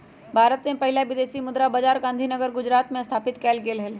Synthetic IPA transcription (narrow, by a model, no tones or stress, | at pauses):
bʱaːɾət̪mẽpɐɦɪlaʋɪd̪eːsimʊd̪ɾabɐd͡ʒaːɾɡãnd̪ʱinəɡəɾɡʊd͡ʒɾaːt̪mẽst̪ʰaːpɪt̪kɛːlɡeːlɦɛl